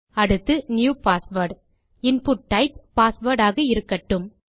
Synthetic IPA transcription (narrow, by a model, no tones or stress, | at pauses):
ɐɽɯt̪ːɯnjuːpaːsʋɐɾɖ | ɪnpʊʈːɐɪp̚ːaːsʋɐɾɽaːɣɐɪɾɯkːɐʈːɯm